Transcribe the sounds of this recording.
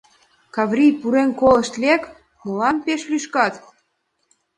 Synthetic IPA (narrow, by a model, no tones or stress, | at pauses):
kɑvɾijpuɾenkoləʃt̪lek | molɑmpeʃlyʃkɑt̪